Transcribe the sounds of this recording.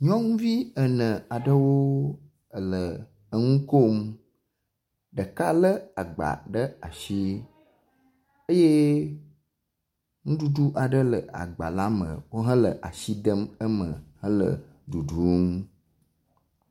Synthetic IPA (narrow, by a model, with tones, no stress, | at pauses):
ɲɔ̃˦ŋũ˦vi˦ə˨nə̃˨a˨ɖə˦wo˦ | ə˨lə˨ | ə˦ŋũ˦ko˦m | ɖə˨ka˦lə˦a˨ɡ͡ba̰˨ɖə˦a̰˨ʃi˦ | ə˦je˦ | ŋũ˦ɖu˦ɖu˦ʔa˨ɖə˦lə˨ʔa̰˨ɡ͡ba̰˨la˦mə̰̃˨wo˦ɦə̃˦lə˨ʔa˨ʃi˦d̪ə˦mə˦mə̰̃˨hə̃˦lə̰˨ | ɖu˨ɖu˨˦m